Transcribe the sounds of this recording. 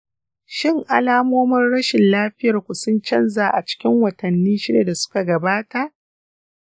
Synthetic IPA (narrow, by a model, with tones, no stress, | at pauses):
ʃɪ˦ŋʔa˨laː˦moː˦mɐ˦nɽɐ˦ʃɪ˨nlaː˦ɸɪ˦jɐ˨rkʷʊ˨sʊ˦nt͡ʃɐ˦nzaː˨ʔa˨t͡ʃɪ̥˦kʲɪ˦ŋwɐ˨tɐ˨nːiː˦ʃɪ˦da˨da˨sʊ̥˦ka˨ɡɐ˨baː˦ta˨ʔ